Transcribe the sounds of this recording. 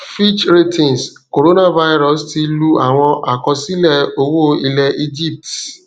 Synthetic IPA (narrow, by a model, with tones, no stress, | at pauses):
fi˦t͡ʃɾe˦tĩ˨ns | ko˨ɾo˦nã˦va˦jɾɔ˨sti˧lu˦a˨w̃ɔ̃˧ʔa˨kɔ̃˧si˦lɛ˦˨o˦wo˦i˧lɛ˧ʔi˦d͡ʒi˦˨p̚ti̥˨